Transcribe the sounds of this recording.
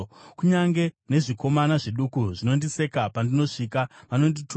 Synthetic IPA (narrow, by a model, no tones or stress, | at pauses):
kuɲaŋɡene̞ʐiko̞manaʐeɗukuʐino̞ndise̞kapandino̞ʂiːkaʋano̞nditʰ